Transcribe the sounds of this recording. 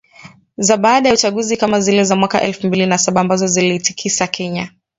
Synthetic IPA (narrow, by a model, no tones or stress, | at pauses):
zaɓaːɗajaut͡ʃaɠuzikamazilɛzamwakaʔɛlfumbilinasaɓaːmbazɔziliːti̥kʰisakʰɛɲa